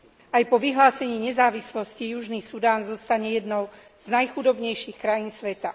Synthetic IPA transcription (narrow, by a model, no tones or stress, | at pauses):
ajpɔʋiɦlaːsɛɲiːɲɛzaːʋislɔscijuʒniːsud̪aːnzɔst̪aɲɛjɛd̪nɔʊ | z̥najxud̪ɔbɲɛjʃixkɾajiːnsʋɛt̪a